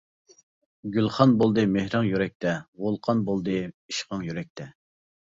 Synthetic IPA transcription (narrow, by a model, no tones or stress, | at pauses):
ɡʲylˠχɑnbolˠd̪ɨmehɾɨŋjyɾɛk̚ʲt̪ʰɛʁolˠqʰɑnbolˠd̪ɨiʃqʰɑŋjyɾɛk̚ʲt̪ʰɛ